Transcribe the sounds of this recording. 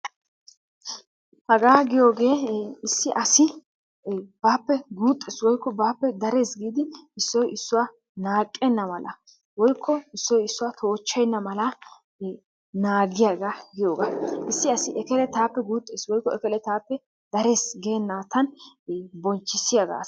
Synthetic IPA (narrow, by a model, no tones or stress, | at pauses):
hɐɡaːɡɪjo̞ːɡe̞ːɪsːɪʔɐsɪ | baːpːɛɡuːt̪ʼːɛːswɔjkːɔbaːpːɛd̪ɐɾe̞ːsɡiːd̪ɪɪsːɔjɪsːʊwa | naːkʼːɛnːɐmɐlɐ | wɔjkʰːɔɪsːɔjɪsːʊwat̪ʰo̞ːt͡ʃːɛjnːɐmɐlɐ | naːɡɪjaːɡaɡɪjo̞ːɡaʔɪsːɪɐsɪʔɛkɛlɛt̪aːpːɛɡuːt̪ʼːeːswɔjkːɔɛkɛlɛt̪aːpːɛ | d̪̥ɐɾe̞ːsɡe̞ːnːaːt̪ɐn | bɔnt͡ʃːɪsːɪjaːɡa̰ː